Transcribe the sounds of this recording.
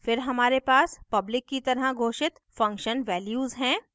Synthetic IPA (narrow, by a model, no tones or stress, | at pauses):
fɪɾɦɐmaːɾepaːspɐblɪkːit̪ɐɾəɡʱoːʃɪt̪fɐ̃ŋkʃənʋɛːljuːzɦɛ̃ː